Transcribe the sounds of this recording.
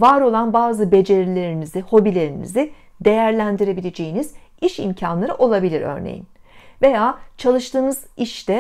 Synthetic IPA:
vaɾo̞lˠanbaːzɯbe̞d͡ʒe̞ɾilʲe̞ɾiniziho̞bilʲe̞ɾinḭzi | d̪e̞jæɾlʲænd̪iɾe̞bilʲe̞d͡ʒejiniziʃḭmcʰanlˠaɾɯʔo̞lˠabilʲiɾø̰ɾnḛjḭn | ve̞jaːt͡ʃʰalˠɯʃt̪ʰɯːnɯziʃd̪ɛ

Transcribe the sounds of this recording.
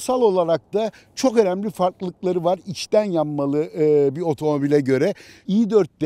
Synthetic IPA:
salˠo̞lˠaɾak̚t̪a | t͡ʃʰo̞kø̞næmlʲifaɾklˠɯklˠaɾɯvaɾit͡ʃt̪ænjamːalˠɯbio̞t̪ʰo̞mo̞bilʲɛɟø̞ɾɛijid̪øɾt̪̚d̪ɛ

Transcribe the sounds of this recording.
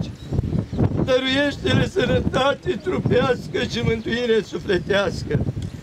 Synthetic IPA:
d̪əɾuje̞ʃt̪eɾesənət̪at̪e̞t̪ɾupeaskəʃimɨnt̪uiɾesuple̞t̪easkə

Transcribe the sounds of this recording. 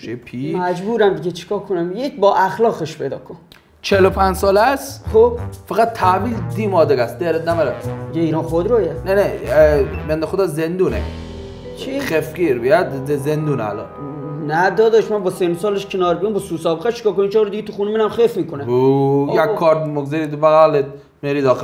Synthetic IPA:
ʃepʰimæd͡ʒbuːɾæmd̪iɟʲet͡ʃʰe̥kʰɒːkʰonæmjecʰbɒːʔæxlɒːɣeʃpʰejd̪ɒːkʰon | t͡ʃʰelopʰænd͡ʒsɒːlæsχob̥fæɣæt̪̚t̪ʰːæviːld̪imɒːd̪eɡæsd̪eɾet̪næmæɾæsd̪iɟeiːɾɔːnxod̪ɾɒːjænene | bend̪exod̪ɒːzend̪uːnḛ | t͡ʃʰixefɡiːɾbijæd̪zend̪uːnea̰lɒ̰n | næd̪ɒːd̪ɒʃmænbɒːsensɒːleʃcʰenɒːɾbijumbɔsuːsɒːbeɣæʃe̥kɒːkonimt͡ʃʰːɾod̪iɡet̪ʰuxuːneminæmxefmiːkʰoneujækkʰːɒːɾmoɡzeɾibæɣæle | meɾiːd̪ɒːxe

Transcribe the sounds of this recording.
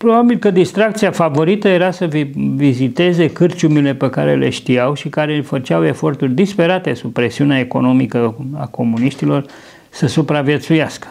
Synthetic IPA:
pɾo̞babilkəd̪ist̪ɾak̚t̪siafavo̞ɾit̪əje̞ɾasəvvizit̪e̞ze̞kɨrt͡ʃumile̞pekaɾe̞̰le̞̰ʃt̪iawʃikaɾe̞fət͡ʃawe̞fo̞rt̪urʲd̪ispe̞ɾat̪e̞sub̚pɾe̞siuneaeko̞̰no̞mikəa̰ko̞muniʃt̪ilo̞r | səsupɾavje̞t̪sujaskə̥

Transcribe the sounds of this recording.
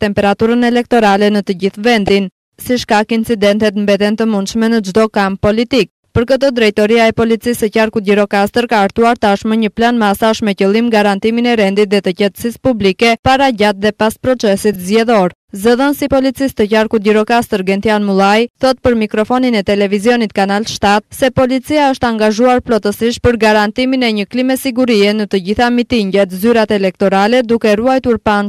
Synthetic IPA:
t̪ɛmpɛɾat̪uɾənɛlɛk̚t̪ɔɾalɛnət̪əɟiθvɛnd̪in | siʃkakint͡sid̪ɛnt̪ɛt̪mbɛt̪ɛnt̪əmund̪ʃmɛnəd͡ʒd̪ɔkamppɔlit̪ik̚ | pəɾkət̪ɔd̪ɾɛjt̪ɔɾiaɛpɔlit͡sisəcaɾkut̪̚ɟiɾɔkast̪əɾkaːɾt̪uaɾt̪əaʃməɲəplanmasaəʃt̪mɛcəlˠimɡaɾant̪iminɛɾɛnd̪it̪̚ðɛt̪əcɛt̪ə̥sispublikɛpaɾaɟat̪̚ðɛpaspɾɔt͡sɛsit̪zɟɛðɔɾ | zəðɔnsipɔlit͡sist̪əcaɾkut̪̚diɾɔkast̪əɾɡɛnt̪ijanmulˠajθɔt̪̚pəɾmikɾɔfɔninɛt̪ɛlɛvizjɔnit̪kanalʃt̪at̪̚sɛpɔlit͡siaəʃt̪əaŋɡaʒuaɾplɔt̪əsiʃ̚pəɾɡaɾant̪iminɛɲəklimɛsiɡuɾiɛnət̪əɟiθamit̪iɲɟɛt̪zyɾat̪ɛlɛk̚t̪ɔɾalɛd̪ukɛruajt̪uɾpan

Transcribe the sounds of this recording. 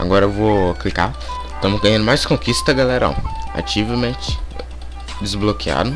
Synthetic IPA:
a̰ɡɔɾɐewvoklika | t̪ɐ̃mʊzɡɐ̃jɐ̃nd̪ʊmajzd͡ʒɪ̥kõkist̪t̪ɐɡalɛɾɐɔ̰a̰t͡ʃivɐmẽt͡ʃɪ̥ | d͡ʒɪzblokia̰d̪ʊ

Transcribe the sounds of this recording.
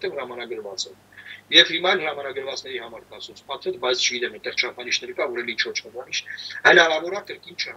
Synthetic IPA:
t̪ɛvhəɾɑmɑnɑɡəɾvɑt͡sʰɛl | jɛvhimɑɛlhəɾɑmɑnɑɡəɾvɑt͡snɛɾihɑmɑɾkɑsut͡sʰpʰɑt̪ʰɛt̪bɑjt͡sʰt͡ʃʰəɡit̪ɛmɛt̪ɛχt͡ʃʰɑpʰɑniʃnɛɾkɑvɔɾɛlint͡ʃʰvɔɾt͡ʃʰɑpʰɑniʃhənɑɾɑvɔɾɑkəɾkint͡ʃʰə

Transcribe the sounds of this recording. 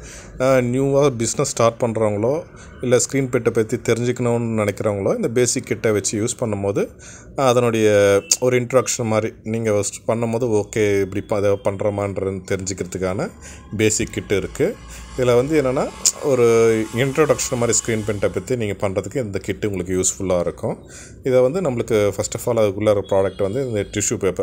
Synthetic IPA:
njuːʋaːbɪsnɐsːʈaːɾʈ̚pɐɳːɾaːʋɐŋɡɐɭoː | ɪlːɛskɾiːnpɛʈːɐpɐt̪ːit̪ɛɾɪɲd͡ʒɪkʲːɐɳoːnnɪnɛkʲːɪɾɐːɐŋɡɐɭoːɪnd̪ɐbeːsɪkːɪʈːeʋɛt͡ʃːɯjuːspɐɳːɯmpoːðɯ | ɐðɐnɔɽɐjɐɔɾɯɪɳʈɾɾɐkʂɐnmaːd̪ɾiniːŋɡɐspɐɳːɐmpoːðɯoːkeːɪpːɐɽipɐðepɐɳːɾɐmaːnrɐnt̪ɛɾɪɲd͡ʒɪkːɪɾɐðɯkːaːnɐ | beːsɪkːɪʈːɪɾɯkːɯɪðɐlːaːʋɐnd̪ɯeːnːɐnːaːɔɾɯɪɳʈɾoːɽɐkʂɐnmaːd̪ɾiskɾiːnp̬ɛɳʈɐpːɐt̪ːiniːŋɡɐpɐɳɾɐðɯkːɯɪnd̪ɐkɪʈːɯʊŋɡɐɭɯkːɯjuːsfʊɭːaːɪɾɯkːʊ̃ | ɪðɐʋɐnd̪ɯnɐmːɐɭɯkːɯfɐsʈɐfaːlɐðɯkːɯɭːɐɾɐpɾaːɖɐk̚ʈʋɐnd̪ɯɪnd̪ɐʈɪʂjupeːpːɛ̃

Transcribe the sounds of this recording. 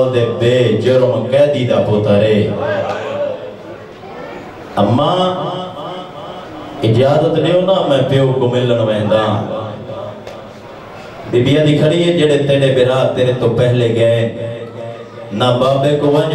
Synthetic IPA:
ld̪eːb̪eːd͡ʒoːɾõːkɛːd̪iːd̪aːpoːt̪aːɾeː | əmːãː | ɪd͡ʒaːzət̪neːõːnãːmɛ̃ːpeːoːkomɪləɳʋɛ̃ːnd̪aː | d̪ɪbɪjãːd̪iːkʰəɽiːeːd͡ʒeːɽeːt̪eːɽeːbeɾaːt̪eːɾeːt̪õːpɛɦleːɡəe | nãːbaːbd̪eːkoʋãd͡ʒ

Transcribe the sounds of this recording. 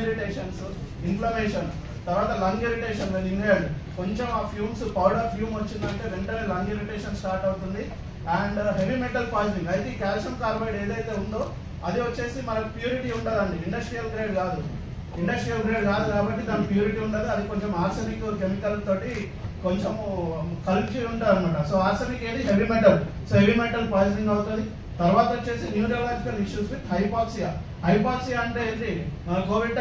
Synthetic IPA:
ɾiʈeːʂɐns | inpʰlɐmeːʃɐn | t̪ɐɾʋaːt̪ɐlɐŋɡeɾiʈeːʃɐnɐiŋɡeɐɳɖiko̞ɲt͡ʃemaːpʰjuːmspɐwɾɖɐɾpʰjuːmʋɐt͡ʃːind̪ɐɳʈe̞ːʋeɳʈɐelɐŋɡeɾiʈeːʃɐnssʈaːɾʈɐwt̪und̪i | ɐːɳɖɦe̞ʋimeɳʈɐlpaːliʈiʋɐjt̪ekaːɾsɐmkaːɾbɐjɽeːd̪ɐjt̪e̞ːund̪o̞ː | ɐd̪iʋɐt͡ʃːe̞ːsimɐnɐkupjuːɾiʈiuɳʈad̪ɐɳɖiːɳɖɐsʈɾijɐlɡɾeːɖkaːd̪u | iɳɖɐsʈɾijɐlɡ̪ɾeːɖkaːd̪ukaːbɐʈːit̪aːnɐpjuːɾiʈiːuɳɖɐd̪iɐd̪ikoɲt͡ʃemaːɾsɐnikkemiʈɐlt̪o̞ːʈi | koɲt͡ʃemukɐɾind͡ʒiuɳʈaːɾɐnimaːʈɐsoːaːɾsɐnikeːd̪iɦeʋimeɳʈɐl | soːɦeʋimeɳʈɐlpaːd͡ʒiʈiŋɡɐwut̪und̪i | t̪ɐɾʋaːt̪ɐot͡ʃːe̞ːsinjuːd͡ʒɐlaːd͡ʒikɐliʃjuːspiʈɦɐjpaːksija | hɐjpaːksijaɐɳɖeniɡoːʋiʈ

